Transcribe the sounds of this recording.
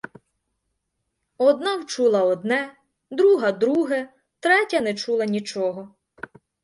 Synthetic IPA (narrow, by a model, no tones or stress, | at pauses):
ɔd̪nɑwt͡ʃulˠɐɔd̪nɛ | d̪ɾuɦɐd̪ɾuɦɛ | t̪ɾɛtʲɐnɛt͡ʃulˠɐnʲit͡ʃɔɦɔ